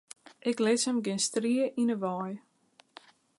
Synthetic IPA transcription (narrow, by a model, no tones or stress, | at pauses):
ʔɪklɪshəmɡɪnstriəʔinəʋɑːj